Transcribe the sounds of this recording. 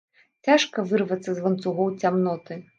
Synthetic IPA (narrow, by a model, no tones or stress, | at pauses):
t͡sʲaʂkɐvɨrvɐt̪sːɐzvɐnt̪suɣɔwt͡sʲamnɔt̪ɨ